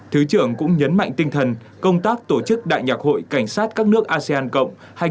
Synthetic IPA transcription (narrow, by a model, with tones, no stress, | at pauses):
t̪ʰɨ˨˦t͡ɕɨ˧˩əŋkʊ̰˧˥ŋ͡mɲə˨˦nma̰˧˨jŋ̟t̪ï˧ŋt̪ʰə˨˩n | kə˧wŋ͡mt̪aː˦˥k̚t̪o˧˩t͡ɕɨ˦˥k̚ɗa̰ː˧˨jɲaː˨˩k̚ho̰˧˨jka˧˩ŋ̟saː˦˥t̚kaː˦˥k̚nɨ˦˥ək̚ʔaː˧si˧aː˧nkə̰˧˨wŋ͡m | ha˧˩